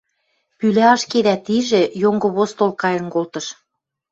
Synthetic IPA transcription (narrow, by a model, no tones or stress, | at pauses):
pylæɑʃked̪æt̪iʒĕjoŋɡŏβost̪olkɑjɤ̆nkolt̪ɤ̆ʃ